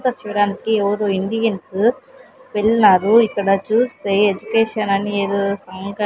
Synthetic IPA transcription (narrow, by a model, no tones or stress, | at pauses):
t̪ɐsuɽaːnkieʋɐɾoːind̪iɡens | peɭːinaːɾuikːɐɽɐt͡ʃuːst̪e̞ːed͡ʒukeːʂɐnɐnieɾosɐkɐ